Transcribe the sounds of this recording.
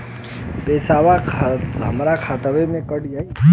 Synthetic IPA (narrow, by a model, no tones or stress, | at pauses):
peːsaʋakʰɦə̰mɾakʰaʈ̪əʋemẽkəɽja